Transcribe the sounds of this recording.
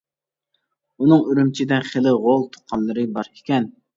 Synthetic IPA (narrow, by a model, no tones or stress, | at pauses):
unɨŋyɾymt͡ʃʰid̪ɛχelˠɪʁolˠt̪ʰʊ̥qʰɑlˠːɨɾɨbɑɾekʲɛn